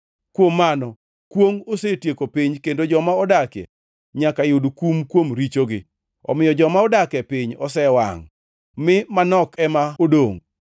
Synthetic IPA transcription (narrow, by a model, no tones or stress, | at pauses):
kwomːanɔ | kwoŋosetjekopiɲkendod͡ʒɔmaɔdakɛ̰ | ɲakajʊdkumkwomɾit͡ʃoɡɪ | ɔ̰mɪjɔd͡ʒɔmaɔdakɛpiɲɔ̰sɛwa̰ŋ | mɪmanɔkɛmaodoŋ